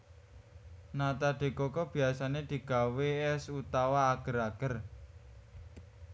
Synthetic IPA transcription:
nat̪aɖ̪̥e̤kɔkɔb̥i̤asaned̪̥i̤ɡ̥a̤weɛsut̪awaːɡ̥ə̤ɾaɡ̥ər

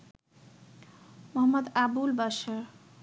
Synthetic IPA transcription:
mɔɦʌmːəd̪abulbaʃaɾ

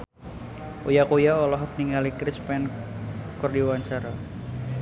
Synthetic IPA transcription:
ʔujakojaɔlɔɦɔkniŋɡalikɾɪspɛnkɔrdiwaɲt͡ʃaɾa

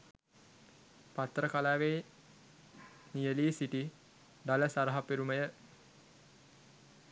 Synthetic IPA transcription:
pat̪ːɾəkalaːʋeː | nijəliːsiʈi | ɖaləsaɾəɦapiɾuməjə

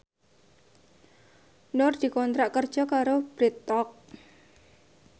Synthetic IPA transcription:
nʊrd̪̥i̤kɔnt̪ɾaʔkərd̥ʒ̥ɔ̤kaɾob̥ɾit̪ɔk̚

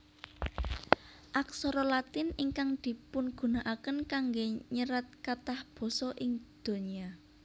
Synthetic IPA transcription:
ʔak̚sɔɾɔlat̪ɪniŋkaŋd̪̥i̤pʊnɡ̥ṳnaʔakənkaŋɡeɲəɾat̪̚kat̪ahb̥ɔ̤sɔʔɪŋd̪̥o̤nia

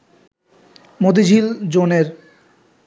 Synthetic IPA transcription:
mod̪id͡ʑʱild͡ʑoneɾ

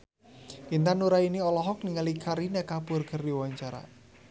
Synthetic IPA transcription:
kint̪anuɾainiɔlɔɦɔk̚niŋalikʰaɾinɛkapʊrkərdiwaɲt͡ʃaɾa̰

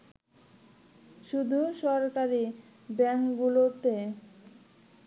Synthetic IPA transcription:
ʃud̪ʱuʃɔɾkaɾi | bɛŋkɡulot̪e

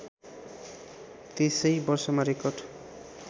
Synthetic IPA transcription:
t̪esʌjbʌrsʌmaɾekʌrɖ

